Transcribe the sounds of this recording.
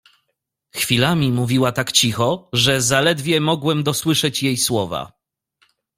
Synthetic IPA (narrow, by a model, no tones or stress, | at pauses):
xfʲilamʲimuvʲiwat̪akt͡ɕixɔʐɛzalɛd̪vʲjɛmɔɡwɛmd̪ɔswɘʂɛt͡ɕjejswɔva̰